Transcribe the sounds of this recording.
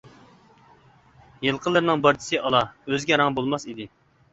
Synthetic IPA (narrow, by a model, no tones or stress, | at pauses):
jɨlˠqʰəlˠːɨɾɨnɨŋbɑɾt͡ʃʰi̥sɨʔɑlˠɑøzɡʲɛɾɑŋbolˠmɑsid̪ɪ